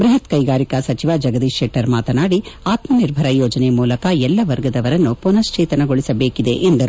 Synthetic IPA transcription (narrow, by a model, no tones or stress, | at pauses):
bɾiɦɐt̪kɐjɡaːɾikɐsɐt͡ʃiʋad͡ʒɐɡɐd̪iʃeːʈɐɾmaːt̪ɐnaːɽiaːt̪mɐniɾbʱɐɾɐjɔːd͡ʒɐnemuːlɐkɐɛlːɐʋɐɾɡɐd̪ɐʋɐɾɐnːupunɐst͡ʃeːt̪ɐnɐɡoɭisɐbeːkid̪ḛʔend̪ɐɾu